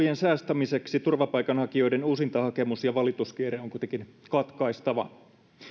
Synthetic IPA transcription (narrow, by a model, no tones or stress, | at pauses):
jensæːst̪æmise̞ksit̪urʋɑpɑjkɑnhɑkio̞jdenuːsint̪ɑhɑke̞musjɑʋɑlit̪uskieɾeoŋkuit̪eŋkinkɑt̪kɑist̪ɑʋɑ̰